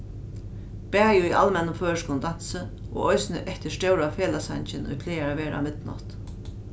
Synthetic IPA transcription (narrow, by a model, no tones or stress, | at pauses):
pæːjʊiʔa̰lmɛnːʊmføːʂkʊnd̪an̥sə | ʔɔ̰ɣɔjsnɪʔɛht̪ɪ̥ʂt̪ɛwɾafeːlasant͡ɕɪnɔ̰jfʰleːaɾaʋeːɾa̰mɪt̪nɔ̰ht̪